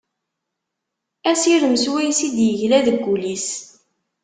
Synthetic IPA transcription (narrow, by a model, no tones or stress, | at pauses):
æsiɾəmswæjsid̪jəʝlæðəɡːulis